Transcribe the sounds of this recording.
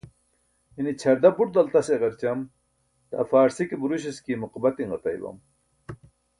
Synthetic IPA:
init͡ɕʰɐɾd̪ɐbuɾ̚d̪ɐlt̪ɐseʁɐɾt͡ɕɐm | t̪a̰faːɾsikibuɾuɕ̬iskiːmuqbɐt̪iŋɡɐt̪ɐ̰jbɐ̰m

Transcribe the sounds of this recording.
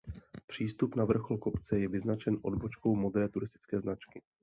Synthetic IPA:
pr̥iːst̪upnavr̩xo̞lko̞pt͡sɛjɛvɪznat͡ʃɛnʔo̞dbo̞t͡ʃko̞wmod̪ɾɛːt̪uɾɪst̪ɪ̥t͡skɛːznat͡ʃkɪ

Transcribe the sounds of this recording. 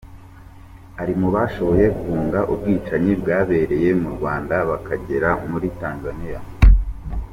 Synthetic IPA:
aɾimuβaːʃo̞βo̞je̞ɡuvuːŋɡaʔub̚ɡiːt͡ʃaɲibɡaːβe̞ɾe̞je̞muɾɡwaːndaβakaɟe̞ɾamuɾitaːnzanija

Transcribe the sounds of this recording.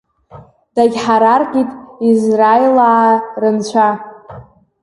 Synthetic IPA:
d̥aɡʲħaɾarqʲʼitʼizrajilaːrɨnt͡ɕʷʰa

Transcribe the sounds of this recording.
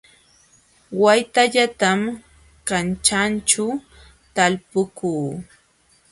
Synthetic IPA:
wajt̪aʎat̪am | kant͡ʃant͡ʃa | t̪alpʊkuː

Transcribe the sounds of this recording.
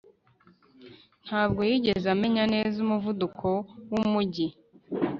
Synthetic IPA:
n̥haːbɡo̞jiːɟe̞zame̞ɲane̞ːzumuvudukʰo̞wumuɟi

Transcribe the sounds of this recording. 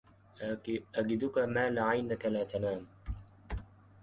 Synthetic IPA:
ʔaɡɪd̪ʊkamaːlɪʕajnakalaːt̪anaːm

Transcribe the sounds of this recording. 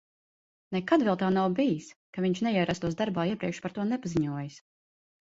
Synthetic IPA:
nɛkad̪vɛlˠt̪aːnawbijiskaviɲt͡ʃnɛjiɛɾast̪uɔsd̪aɾbaːiɛpɾiɛkʃpaɾt̪uɔnɛpaziɲuɔjas

